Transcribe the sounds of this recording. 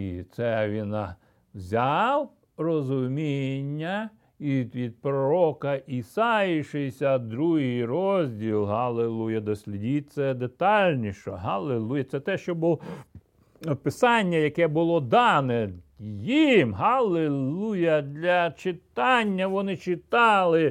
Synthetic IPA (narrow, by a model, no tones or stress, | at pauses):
ḭt̪sɛʋʲinɐ | zʲɑw | rɔzʊmʲinʲːɐ | iʋʲid̪̚pɾɔɾɔkɐʔisɑjɪʃɪsʲɐd̪ɾuɦɪjrɔzʲdʲilˠɦɐlˠelˠujɐd̪ɔsʲlʲidʲit̚ʲt̪sɛd̪et̪ɑlʲnʲiʃɔ̰ɦɐlˠelˠujɐt̪sɛt̪ɛʃt͡ʃɔbu | pɪsɑnʲːɐjɐkɛbʊlˠɔd̪ɑnɛjimɦɐlˠelˠujɐd̪lʲɐt͡ʃɪt̪ɑnʲːɐʋɔnɪt͡ʃɪt̪ɑlˠɪ